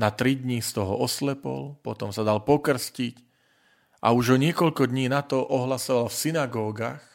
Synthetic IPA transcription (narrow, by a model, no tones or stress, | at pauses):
nat̪ɾid̪ɲist̪ɔɦɔ̰ʔɔslɛpɔ̰lpɔt̪ɔmsad̪alpɔkr̩scic | ʔa̰uʒɔɲɪɛkɔʎkɔd̪ɲiːnat̪ɔʔɔɦlasɔʋalfsinaɡɔːɡax